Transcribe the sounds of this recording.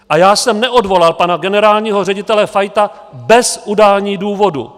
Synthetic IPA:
ʔajaːsɛmnɛʔo̞dvo̞lalpanaɡɛnɛɾaːlɲiːɦorɛɟɪt̪ɛlɛfajt̪a | bɛsʔudaːlɲiːduːvo̞dṵ

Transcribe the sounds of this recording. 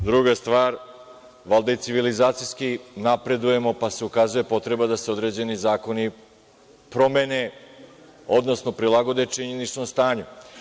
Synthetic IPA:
d̪ɾuɡast̪ʋaːɾ | ʋalˠd̪ait̪siʋilizaːt̪sijskinapɾe̞d̪uje̞mo̞pase̞ukazuje̞po̞t̪ɾe̞bad̪aseo̞d̪ɾe̞d͡ʑe̞nizaːko̞ni | pɾo̞mene̞ | o̞d̪no̞sno̞pɾilˠaɡo̞d̪e̞t͡ʃiɲenit͡ʂno̞mst̪aːɲu

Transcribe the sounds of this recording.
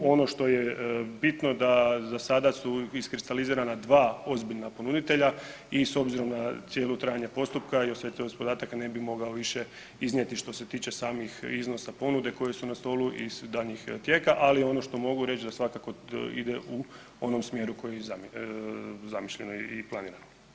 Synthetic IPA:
o̞no̞ʃt̪o̞jebit̪no̞d̪azasad̪asuiskɾist̪aliziːɾanad̪ʋaːo̞zbiʎnapo̞nud̪it̪e̞ʎa | iso̞bziɾo̞mnasjelut̪ɾaːjaɲepo̞st̪upkaiosʋet̪ospod̪aːt̪akane̞bimo̞ɡaoʋiʃe | iznjet̪iʃt̪o̞se̞t̪iːt͡ɕe̞saːmixizno̞sapo̞nud̪e̞ko̞jesunast̪o̞luʔḭz̥d̪aʎɲixt̪je̞kaʔalio̞no̞ʃt̪o̞mo̞ɡuɾe̞t͡ɕd̪asʋakakoḭd̪eʔu | o̞no̞msmje̞ɾuko̞jejeza | zamiʃʎe̞noiplˠaniːɾano

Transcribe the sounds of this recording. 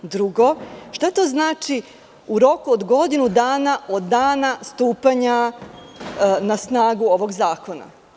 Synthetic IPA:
d̪ɾuɡoʃt̪at̪o̞ːznaːt͡ʃi | uɾo̞kuod̪ɡo̞d̪inud̪aːnaʔo̞d̪ːaːnast̪uːpaɲa | nasnaːɡuo̞ʋo̞ɡzaːko̞na̰

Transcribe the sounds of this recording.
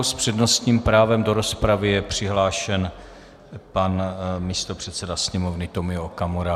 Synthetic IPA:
wspr̥ɛdno̞st̪ɲiːmpɾaːvɛmdo̞ɾo̞spɾavɪjɛpr̝̥ɪɦlaːʃɛn | panmist̪o̞pr̝̥ɛt̪t͡sɛdasɲɛmo̞vnɪt̪o̞mɪokamoɾa

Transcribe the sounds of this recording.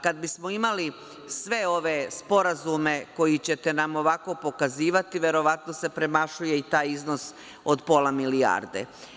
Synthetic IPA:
kad̪bismo̞imali | sʋe̞o̞ʋe̞spo̞ɾazume̞ko̞jit͡ɕe̞t̪e̞namo̞ʋako̞po̞kaziːʋat̪iʋe̞ɾo̞ʋat̪no̞se̞pɾe̞maʃuje̞it̪aːjizno̞s | od̪po̞lamilia̰ːɾd̪ḛ

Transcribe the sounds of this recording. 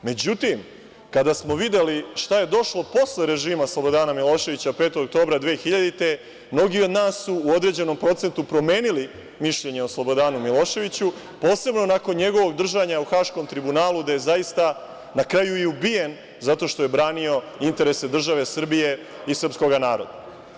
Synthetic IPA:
me̞d͡ʑut̪im | kad̪asmo̞ʋid̪e̞liʃt̪aje̞d̪o̞ʃlo̞po̞sleɾe̞ʒiːmaslˠo̞bo̞d̪aːnamilˠo̞ːʃe̞ʋit͡ɕapeːt̪oɡok̚t̪o̞ːbɾad̪ʋeːxiʎad̪it̪e̞ | mno̞ɡio̞d̪naːsːuːod̪ɾe̞d͡ʑe̞no̞mpɾo̞t̪se̞nt̪upɾo̞me̞ːnili | miʃʎe̞ɲeo̞slˠo̞bo̞d̪aːnumilˠo̞ːʃe̞ʋit͡ɕu | po̞ːse̞bno̞nako̞nɲeɡo̞ʋo̞ɡd̪r̩ʒaɲauxaːʃko̞mt̪ɾibunaːlud̪aje̞zaist̪a | nakɾajuiubije̞n | zat̪o̞ʃt̪oje̞bɾaːnio̞ | int̪e̞ɾese̞d̪r̩ʒaʋe̞sr̩bije̞ | isr̩psko̞ɡanaːɾo̞̰d̪a

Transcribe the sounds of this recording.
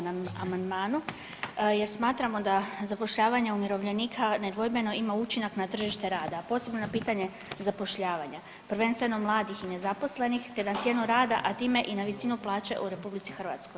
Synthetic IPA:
naamand̪maːnu | je̞ɾsmaːt̪ɾamo̞d̪azapo̞ʃʎaːʋaɲeumiɾo̞ʋʎe̞niːkʰaned̪ʋo̞jme̞no̞imaut͡ɕinaknat̪r̩ʒiʃt̪e̞ɾaːd̪apo̞ːse̞bnonapiːt̪aɲe̞ | zapo̞ʃʎaːʋaɲa | pr̩ʋe̞nst̪ʋe̞no̞mlˠaːd̪ixine̞zapo̞sle̞nixt̪e̞d̪at̪sje̞nuɾaːd̪a̰ʔat̪iːme̞ʔinaʋisinuplˠaːt͡ɕe̞̰ʔuɾe̞publit̪sixr̩ʋa̰t̪sko̞j

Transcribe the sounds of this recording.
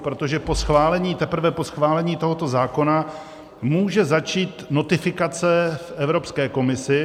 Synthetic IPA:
pɾo̞t̪oʒɛpo̞sxvaːlɛɲiːt̪ɛpɾ̩vɛpo̞sxvaːlɛɲiːt̪o̞ɦo̞t̪o̞zaːko̞na | muːʒɛzat͡ʃiːt̪no̞t̪ɪfɪkat͡sɛfʔɛvɾo̞pskɛːko̞mɪsɪ

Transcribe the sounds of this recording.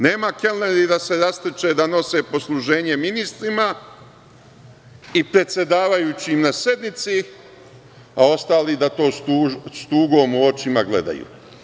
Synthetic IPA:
ne̞ːmakelleɾid̪ase̞ɾast̪et͡ʃe̞ːd̪ano̞se̞po̞slˠuʒe̞ːɲe̞minist̪ɾima | ipɾe̞t̪sʲje̞d̪aːʋajuːt͡ɕimnase̞d̪nit̪si | ao̞st̪aːlid̪at̪o̞ːst̪uːst̪uːɡo̞ːmuo̞t͡ʃimaɡle̞̰d̪a̰jṵː

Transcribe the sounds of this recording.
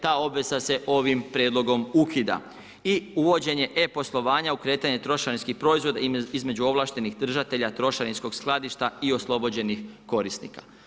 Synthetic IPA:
t̪aːo̞bʋe̞sase̞ʔo̞ʋimpɾje̞ːd̪lˠo̞ɡo̞mukid̪a̰ | iuʋo̞d͡ʑe̞ɲe̞ʔepo̞slˠo̞ʋaːɲaukɾe̞ːt̪aɲe̞t̪ɾo̞ʃaɾinskixpɾo̞izʋo̞d̪aizme̞d͡ʑuo̞ʋlˠaːʃt̪e̞nixd̪r̩ʒat̪e̞ʎat̪ɾo̞ʃaɾinsko̞ɡ̥sklˠad̪iʃt̪aio̞slˠo̞bo̞d͡ʑe̞nixko̞ɾisnḭkḁ

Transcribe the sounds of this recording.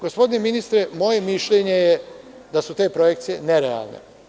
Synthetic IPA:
ɡ̥ospo̞d̪ineminist̪ɾemo̞je̞miʃʎʲeɲeje | d̪asut̪e̞ːpɾojekt̪sije̞neɾea̰lˠnḛ

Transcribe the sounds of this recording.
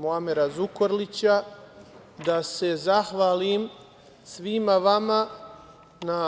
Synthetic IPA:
muameɾazukoɾlit͡ɕa | d̪ase̞zaxʋaːlim | sʋimaʋama | na

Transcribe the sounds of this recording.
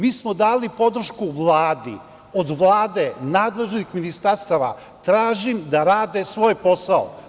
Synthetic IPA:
miːsmod̪aːlipo̞d̪ɾ̩ʃkuʋlˠaːd̪ḭ | od̪ʋlˠaːd̪e̞naːd̪le̞ʒnixminist̪aɾst̪aʋa̰ | t̪ɾaːʒimd̪aɾaːd̪esʋo̞ːjpo̞sao̰

